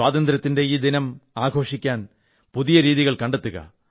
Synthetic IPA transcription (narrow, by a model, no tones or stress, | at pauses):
aːðɐnd̪ɪɾɐt̪ːɪndeid̪inɐmaːɡʱo̞ːʂikʲːaːn | puðɪjɐɾiːðiɣɐɭkɐɳɖɐt̪ːɯɣɐ̰